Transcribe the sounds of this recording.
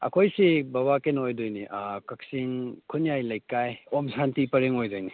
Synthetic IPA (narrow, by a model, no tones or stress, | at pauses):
ɐ̰kʰojsibaβakenojdojniʔakɐk̚siŋkʰunijajlɐjkːajomsantipɐɾeŋojdojni